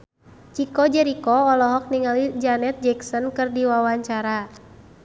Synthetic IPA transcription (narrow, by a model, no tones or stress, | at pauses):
t͡ʃikɔd͡ʒɛɾikɔɔlɔɦɔk̚niŋalid͡ʒanɛt̪̚d͡ʒɛksɔnkɨrdiwawaɲt͡ʃaɾa